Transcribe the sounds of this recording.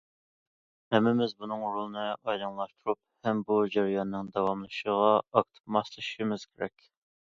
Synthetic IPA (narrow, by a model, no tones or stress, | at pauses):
hɛmːɪmɪzbunɨŋɾolˠnɨɑjlˠɑŋlˠɑʃt̪ʰuɾup̚hɛmbud͡ʒæɾijɑnːɨŋd̪ɑwɑmlˠɨʃəʁɑɑk̚t̪ʰɨ̥pmɑslˠɨʃʃimɪz̥kʲʰeɾɛ̰kʲ